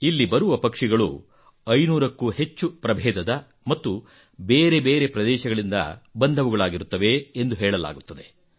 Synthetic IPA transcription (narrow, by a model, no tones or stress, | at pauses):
ilːibɐɾuʋɐpɐkʂiɡɐɭṵ | ɐjnuːɾɐkːuːhe̞t͡ʃːupɾɐbʱɛːd̪ɐd̪ɐ | mɐt̪ːu | beːɾe̞beːɾe̞pɾɐd̪ɛːʃɐɡɐɭind̪ɐ̰bɐnd̪ʱɐʋuɡɐɭaːɡiɾut̪ːɐʋe̞ːnd̪uɦɛːɭɐla̰ːɡut̪ːɐd̪e